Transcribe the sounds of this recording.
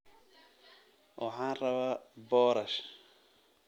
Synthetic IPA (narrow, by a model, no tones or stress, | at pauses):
wʔaħaːnrɐβaːbɔːɾɐʃ